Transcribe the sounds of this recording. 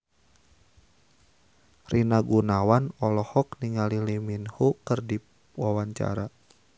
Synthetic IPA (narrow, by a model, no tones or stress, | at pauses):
rinaɡunawanɔlɔhɔk̚niŋaliliminhukərdi | wawaɲt͡ʃa̰ɾa